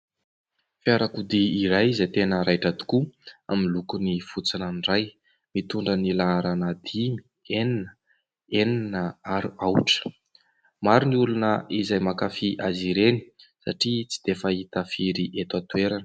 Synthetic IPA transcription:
fiaɾakud̪iːɾajizat̪enəɾajʈ͡ʂad̪u̥kua̰milukunifut͡sinanɖ͡ʐaj | mit̪uɳɖ͡ʐənilaɾanad̪imi̥ | eninə | eninəaɾuawʈ͡ʂə̥ | maɾuniulunəʔizajmakafiʔaziɾenisaʈ͡ʂit͡si̥d̪̥efəit̪afiɾiʔet̪wat̪ueɾanə̥

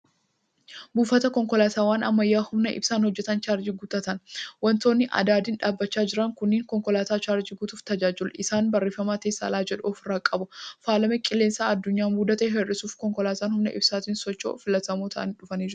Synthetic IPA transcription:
buːfɐt̪ɐkɔŋkɔlaːt̪aːwaːnɐmːɐjːaːhʊmnɐʔɪ̰bsaːnhɔd͡ʒːɛt̪ɐnt͡ʃaːɾd͡ʒiɡuːt̪ɐt̪ɐnwɐnt̪oːnːɪʔɐ̰d̪aːd̪ɪnᶑaːbːɐt͡ʃːaːd͡ʒɪɾɐŋkʊnːɪːŋkɔŋkɔlaːt̪aːt͡ʃaːɾd͡ʒiɡuːt̪uːft̪ɐd͡ʒaːd͡ʒɪlɪsaːnbɐrːeːfɐmaːt̪eːsːa̰ːlaːd͡ʒɛᶑoːfɪrːaːkʼɐbʊfaːlɐmɛkʼɪle̞ːnsaːɐd̪ːʊɲːaːmuːd̪ɐt̪ɐɦɛrːɪsuːfkɔŋkɔlaːt̪aːnhʊmnɐ̰ʔɪ̰bsaːt̪iːnsɔt͡ʃːo̰ːfɪlɐt̪ɐmoːt̪ʰɐʔɐ̰nᶑʊfɐneːd͡ʒɪɾʊ

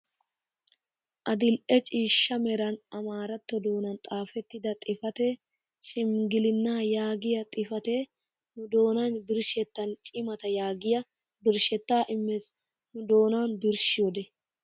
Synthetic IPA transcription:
ʔɐd̪ɪlʔɛt͡ʃʼiːʃːɐmɛɾɐnɐmaːɾɐt̪ːɔd̪o̞ːnɐnt̪ʼaːfɛt̪ːɪd̪ɐt̪ʼɪfɐt̪e | ʃɪmɡɪlɪnːaːjaːɡɪjɐt̪ʼɪfɐt̪e | nʊd̪o̞ːnɐnbɪɾʃɛt̪ːɐnt͡ʃʼɪmɐt̪ɐjaːɡɪjɐ | bɪɾʃɛt̪ːaːʔɪmːɛs | nʊd̪o̞ːnanbɪɾʃɪjɔd̪ɛ

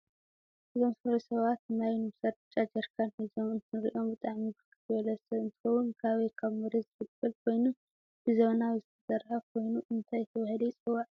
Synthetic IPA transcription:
ʔɨzo̞msɨɾɐsɐβat̪najnɨbɨsad̪t͡ʃʼad͡ʒɐɾkʰanhizomɨnt̪ʰɨɾḭʔo̞mbɨt̪ʼaʕmibɨkʰɨt̪ʰɨβɐlɐsɐɨnt̪ʰɨ̥xɐwunkʰaβekʰaβmɨɾezɨfɨt̪bɨlkʰo̞jnu | b̥ɨzɐβnawizɨt̪ʰɐ̥sɐɾhakʰo̞jnuʔɨnt̪ʰajɪt̪ʰɐwɐhɐd̪ɐjt͡sʼɨwaʕ

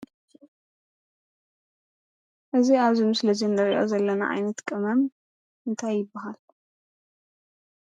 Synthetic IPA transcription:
ʔɨziaβzimɨslɐd͡ʒɛnd̪ɐɾiʔo̞̰zɐlːɐna̰ʔa̰jnɐt̪kʼɨmɐm | ʔɨnt̪ʰajːɪbːaɦal

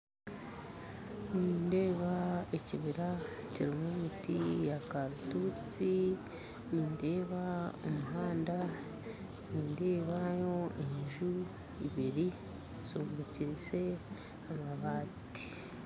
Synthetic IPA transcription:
niːnde̞ːβaeciβiɾa | ciɾimwemitijakaɾutuːt͡si | niːnde̞ːβaomuɦaːnda | niːnde̞ːβajo̞eɲʒu | ḭβiɾi | suːmbuciɾise̞ | amaβaːti̥

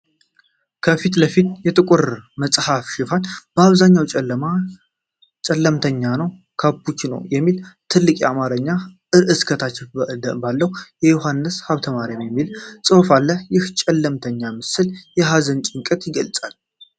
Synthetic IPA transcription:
kʰəfit̪ləfit̪jɛt̪ʼɨkʷʼʊɾməsʼhafʃɪfanbəaβzaɲːawt͡ʃʼa | t͡ʃʼɛlːəmt̪ʰəɲːanəw | kʰabut͡ʃːnə̰wjɛmːilt̪ʰɨlːɨkʼiamaɾəɲːa | ɨʔɨskʰət̪ʰat͡ʃːɪbalːəhjɛjuɦanːɨshaβt̪ʰəmaɾinjɛmːilsʼɨhfalːəjɪht͡ʃʼɛlːəmt̪ʰəɲːamɨsɨljɛɦazənt͡ʃʼɪŋkʼɨt̪jɪɡəlt͡sʼal

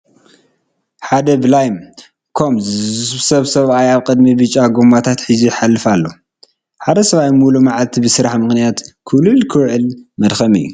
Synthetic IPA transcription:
ħad̪ɐblajm | kʰo̞mzɨzβsɐβsɐβajaβkʼɨd̪mibɨt͡ʃʼaɡomːat̪ʰat̪ħɨziħalːɨfalːo̞ | ħad̪ɐsɐβajmulumaʕalt̪ʰibɨsɨɾaħmɨxnijat̪kʰɨβlulkʰɨwʕɨlmɐd̪xɐmɨjːu

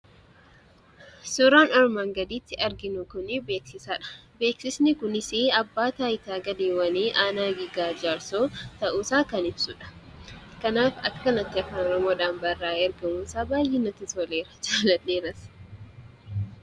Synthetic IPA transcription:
suɾaːnɔɾmaŋɡɐd̪iːt̪ːɪʔɐɾɡɪnʊkʊnɪbe̞ːksɪsaːᶑɐ̥be̞ːksɪsnɪkʊnɪseːɐbːaːt̪aːjɪt̪aːɡɐd̪eːwɐneːʔaːnaːɡiɡaːd͡ʒaːɾsoːt̪ɐʔuːsaːkɐnɪbsʊᶑɐ̥ | kɐnaːfɐkːɐnɐt̪ːɪɐfaːnɔɾɔmoːᶑaːnbɐrːaːɛɾɡɐmuːsaːbaːjʔɪnɐt̪ɪt̪ɔleːɾɐ̥t͡ʃaːlɐnːeːɾɐs

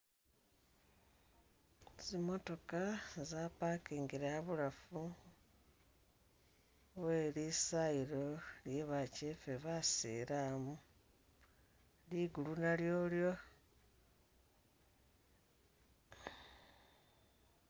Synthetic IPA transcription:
zimo̞to̞kazapakiːŋɡiɾeaβulafu | we̞ːlisaiɾo̞ljeβacefeβasḭɾamu | liɡulunaljo̞ːljo̞

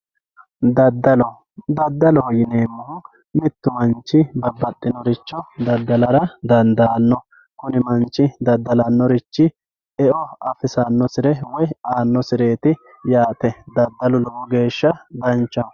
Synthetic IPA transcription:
d̪ɐd̪ːɐlɔ | d̪ɐd̪ːɐlɔjɪneːmːʊ | mɪt̪ːʊmɐnt͡ʃːɪbɐbːɐt̪ʼːɪnɔɾɪt͡ʃːɔd̪ɐd̪ːɐlɐɾɐd̪ɐnd̪aːnːɔ | kʊnɪmɐnt͡ʃːɪd̪ɐd̪ːɐlɐnːɔɾɪt͡ʃːɪ | ɛɔɐfɪsɐnːɔsɪɾɛwɔjaːnːɔsɪɾe̞ːt̪ɪ | jaːt̪ɛd̪ɐd̪ːɐlʊlɔbɔɡe̞ːʃːɐd̪ɐnt͡ʃːɐ

